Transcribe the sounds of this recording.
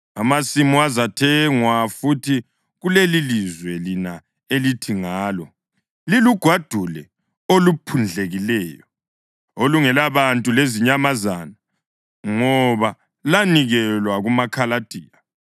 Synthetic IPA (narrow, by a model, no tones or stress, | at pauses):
amasimuazatʰɛŋwafutʰi | ɣulelilizwɛlina | elitʰiŋaːlɔ | liluɡ̥ʱwad̥ʱulɛ | olupʰund͡ɮʱeɣilɛːjɔ | oluŋɛlaβantʼuleziɲamazana | ŋɔβa | laniɣɛlwaɣumakʰalad̥ʱiːa